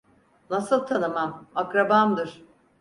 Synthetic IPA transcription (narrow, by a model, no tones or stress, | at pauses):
nasɯlˠt̪ʰanɯmamakɾabamd̪ɯɾ̥